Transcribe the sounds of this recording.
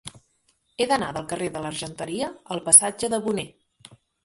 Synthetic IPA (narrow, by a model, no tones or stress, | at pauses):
eðənaðəlˠkəreðələɾʒənt̪əɾiəːlˠpəsad͡ʒəðəβune